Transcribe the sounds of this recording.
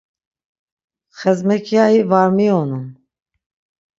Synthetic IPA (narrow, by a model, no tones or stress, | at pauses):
χɛzmɛkʰjaivaɾmiɔnum